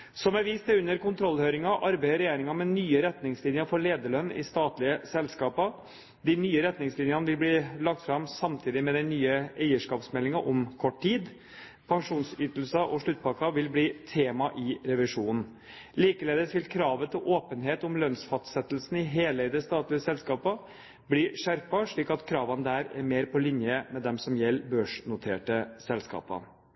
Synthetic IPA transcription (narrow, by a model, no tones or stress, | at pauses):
sɔmæɾʋiːst̪ɛʉnːəɾkʊnt̪ʰɾɔlhøːɾɪŋɑʔɑɾbæɪəɾɛjeːɾɪŋɑmɛnyːəɾɛt̪nɪŋslɪnjəfɔɭeːd̪əɭœnːɪ̰st̪ɑːt̪lɪəsɛlskɑːpə | d̪ɪnyːəɾɛt̪nɪŋslɪnjɑnəʋɪlbliːlɑk̚t̪fɾɑmsɑmt̪ʰiːd̪ɪmɛd̪ɛnyːəæɪəʂkɑːpsmɛlːɪŋɑʔɔmkʰɔʈːʈiːd̪ | pʰɑŋʂuːnsyːt̪əl̩sɑʔɔʂɭʉt̪̚ːpʰɑːkɑʋɪlbliːt̪ʰeːmɑʔɪɾɛʋɪʂuːnn̩ | liːkəleːd̪əsʋɪlkʰɾɑːʋət̪ʰɪlʔoːpənɦeːt̪ɔmlœnsfɑst̪sɛt̪ːlsn̩ɪɦeːləd̪ɛst̪ɑːt̪lɪəsɛlskɑːpə | bliːʂæɾpɑʂɭiːkɑt̪kʰɾɑːʋɑnəd̪æɾɛ̰ɾmeːɾpʰɔlɪnjəmɛd̪ɛmsɔmjɛlːbøːʂnʊt̪ʰeːʈəsɛlskɑ̰ːpɑ̰